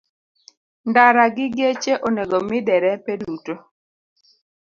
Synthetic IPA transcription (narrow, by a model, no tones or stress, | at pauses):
ndaɾaɡɪɡet͡ʃeʔoneɡomɪdɛɾɛpeduto